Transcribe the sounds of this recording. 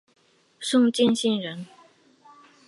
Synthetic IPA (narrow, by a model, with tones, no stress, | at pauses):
sʊ˥˧ŋt͡ɕɛ˥˧nɕi˥˩nɻə˧˥n